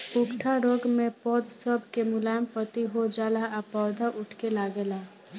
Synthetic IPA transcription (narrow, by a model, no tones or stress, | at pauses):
pʊkʈʰaɾoɡmẽpɔd̪səbʱkemʊlaːjmpət̪iɦod͡ʒaːlaapɔːɾd̪ʱaʔʊʈʰkelaːɡeːla